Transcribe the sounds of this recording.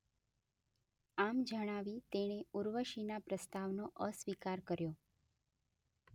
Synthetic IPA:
amd͡ʒəɽ̃aʋit̪eɽ̃euɾʋəʃinapɾəst̪aʋnoʔəsʋikaɾkəɾjo

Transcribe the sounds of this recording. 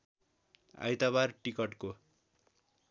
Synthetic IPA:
a̰jt̪aβarʈikʌʈko

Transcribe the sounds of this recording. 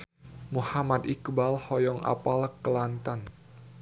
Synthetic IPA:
muhamad̪ikbalhɔjɔŋa̰palkəlant̪an

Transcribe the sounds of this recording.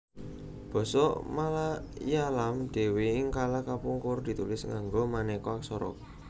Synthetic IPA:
b̥ɔ̤sɔʔmalajalamd̪̥e̤weɪŋkalakapuŋkʊrd̪̥i̤t̪ulɪsŋaŋɡomanɛkɔaksɔɾɔ̰k̚

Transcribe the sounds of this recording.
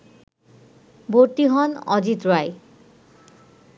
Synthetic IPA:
boɹt̪iɦɔnɔ̰d͡ʑit̪ɹwaj

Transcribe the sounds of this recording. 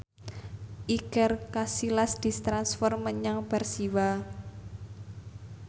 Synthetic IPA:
ʔikərkasilasd̪̥i̤st̪ɾansfɔrməɲaŋb̥ɛ̤rsiwa

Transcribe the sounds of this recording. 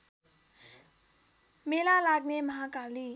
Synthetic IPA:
melalak̚neməɦakali

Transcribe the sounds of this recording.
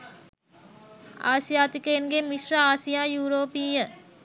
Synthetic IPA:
a̰ːsjaːt̪ikəenɡemiʃɾəaːsijaːjuːɾoːpiːjə

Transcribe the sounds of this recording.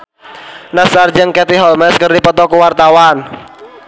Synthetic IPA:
nasard͡ʒɨŋkɛt̪iɦɔlmɛskɨrdipɔt̪ɔkuwart̪awan

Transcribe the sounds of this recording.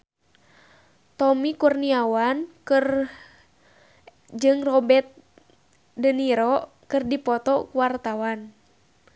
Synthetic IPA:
t̪ɔmikurniawankɨr | d͡ʒɨŋrɔbɛt̪̚ | dəniɾɔ | kɨrdipɔt̪ɔkuwart̪awan

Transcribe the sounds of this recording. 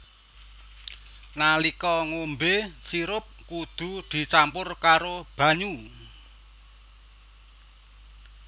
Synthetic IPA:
nalikɔŋombesiɾʊp̚kud̪̥ṳd̪̥i̤t͡ʃampʊrkaɾob̥a̤ɲu

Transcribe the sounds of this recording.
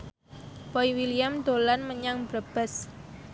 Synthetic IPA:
pɔiwiliamd̪olanməɲaŋb̥ɾəb̥ə̤s

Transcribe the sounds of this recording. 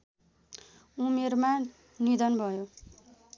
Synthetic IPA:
umerma | nid̪ʌnbʱʌjo

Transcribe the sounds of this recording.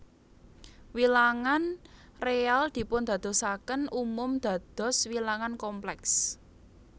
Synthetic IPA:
wilaŋan | reald̪̥i̤pʊnd̪̥ä̤d̪̥ɔ̤sakənumʊmd̪̥ä̤d̪̥ɔ̤swilaŋankɔmplɛks

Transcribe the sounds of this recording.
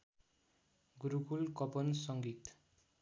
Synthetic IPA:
ɡuɾukulkʌpʌnsʌŋɡit̪

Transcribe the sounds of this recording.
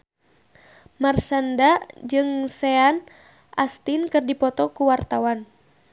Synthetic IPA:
marsandad͡ʒɨŋsɛan | ʔast̪inkɨrdipɔt̪ɔkuwart̪awan

